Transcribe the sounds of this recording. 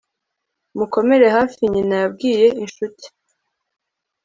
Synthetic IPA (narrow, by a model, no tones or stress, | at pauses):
muko̞me̞ɾe̞ɦaːfiɲinajab̚ɡiːje̞ʔinʃuti̥